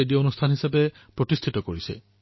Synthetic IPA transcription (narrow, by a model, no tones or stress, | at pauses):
ediɔonustʰanɦisabɛ | pɹotistʰitɔkoɹisɛ̰